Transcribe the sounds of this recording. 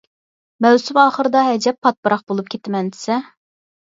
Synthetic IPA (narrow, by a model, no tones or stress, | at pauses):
mɛwsɪmɑːχəɾɨd̪ɑɦɛd͡ʒɛpʰːɑt̪̚pɨɾʔɑχbolˠup̚kʲʰet̪ɪmɛnd̪ɪ̥sɛ